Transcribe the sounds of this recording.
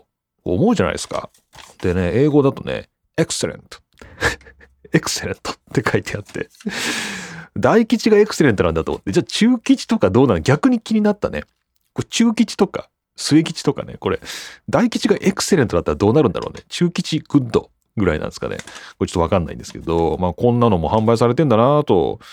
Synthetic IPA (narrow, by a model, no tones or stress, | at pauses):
oːmo̞ɯ̟ʑana̰ḭska̰ | d̪̥e̞ne̞e̞ːɡo̞d̪at̪o̞nḛ | ekɯ̟̥se̞ɾḛ̃nt̪o̥ | ekɯ̟̥se̞ɾẽ̞nt̪o̥t̪ːe̞kʰait̪e̞at̪ʰːe̞̰ | d̪aikʲit͡ɕiɡae̞kɯ̟̥seɾe̞nt̪onãnd̪at̪omot̪ːed͡ʑaːt͡ɕɨːkʲit͡ɕi̥t̪o̞kad̪oːnaɾɡʲakɯ̟ɲ̟ikʲiɲ̟inat̪ːane̞̰ | kot͡ɕɨːkʲit͡ɕi̥t̪o̞ka̰ | sɨekʲi̥t͡ɕi̥t̪o̞ka̰ne̞̰ko̞ɾe̞d̪aikʲit͡ɕiɡaʔe̞kɯ̥seɾẽ̞nt̪od̪at̪ːaɾad̪o̞ːnaɾɯ̟nd̪aɾoːnet͡ɕɨːkʲit͡ɕiɡ̥ɯ̟d̪o̞̰ | ɡɯ̟ɾa̰inã̰nsɨ̥ka̰nḛkot͡ɕot̪ːoakãnːa̰ḭ̃nd̪esɨ̥ked̪o̞maːkõ̞nːano̞mo̞hãmbaisaɾe̞t̪ẽnd̪anat̪o̞̰